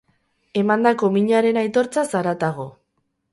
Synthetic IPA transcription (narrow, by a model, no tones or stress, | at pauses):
e̞mand̪ako̞miɲaɾe̞najt̪o̞ɾt͡sasaɾat̪aɣ̞o̞